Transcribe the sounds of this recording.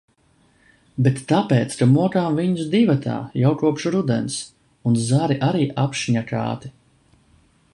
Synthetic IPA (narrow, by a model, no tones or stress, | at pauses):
bet̪ːapeːt̪skamuɔkaːmviɲusd̪ivat̪ʰa̰ːjawkuɔpʃɾud̪ɛ̰ns | unzaɾiʔaɾiːʔapʃiɲaka̰ːt̪i̥